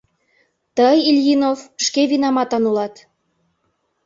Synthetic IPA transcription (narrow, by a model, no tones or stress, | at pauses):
t̪əjilʲjinovʃkeβinɑmɑt̪ɑnulɑt̪